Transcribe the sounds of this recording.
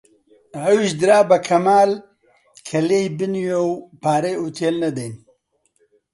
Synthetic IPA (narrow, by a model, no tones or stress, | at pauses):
ɐwiʃd̪ɨɾaːbɐkʰɐmaːl | kʰɐleːjbɨnjewpaːɾejuːt̪ʰeːlnɐd̪ejn